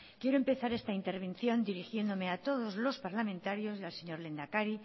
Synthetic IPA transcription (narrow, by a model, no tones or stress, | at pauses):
kje̞ɾoempe̞θaɾest̪aint̪eɾβ̞ẽ̞nθjo̞nd̪iɾixje̞nd̪o̞meat̪o̞ð̞ozlo̞spaɾlamẽnt̪aɾjo̞zialseɲo̞ɾle̞nd̪akaɾi